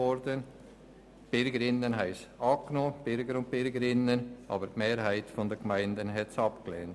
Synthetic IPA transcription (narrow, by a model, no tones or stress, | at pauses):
ɔɾdən | b̥ɪɾɡəɾɪnːənɦaɪsɑpknob̥ɪɾɡəɾʊnt̚b̥ɪɾɡəɾɪnənʔɑ̰ːbəɾtmeːɾhæɪtfɔndɛɡmaɪndənɦɛtsɑpkleːnt